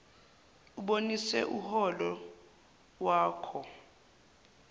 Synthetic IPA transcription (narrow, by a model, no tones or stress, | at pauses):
uɓonisɛ̰ʔuhɔlɔ | waːkʰɔ